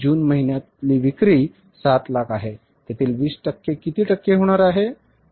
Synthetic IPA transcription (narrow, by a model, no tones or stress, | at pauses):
d͡ʑuːnməɦinjat̪liːʋikɾiː | sat̪lakʰaɦe | t̪jet̪ʰiːlʋiːsʈəkːekit̪iːʈəkːeɦoɽ̃aɾaɦe